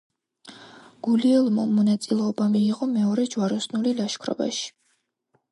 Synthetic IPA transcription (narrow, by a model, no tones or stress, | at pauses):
ɡ̥uliɛlˠmɔmɔnat̪sʼilɛɔbamiːʁɔmɛɔɾɛd͡ʒwaɾɔsnulilaʃkʰɾɔ̰ba̰ʃi̥